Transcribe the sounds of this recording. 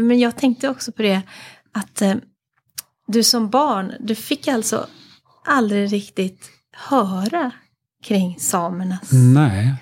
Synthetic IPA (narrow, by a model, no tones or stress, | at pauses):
mɛnjɑːɡ̚t̪ʰɛŋk̚t̪əɔksɔpʰɔd̪ɛ | at̪ | d̪ɵsɔmbɑːɳd̪ɵfɪkːalt̪sɔ̰ | ʔald̪ɾɪɾɪkt̪ɪt̪ | hœːɾa | kʰɾɪŋːsɑːməɳanɛ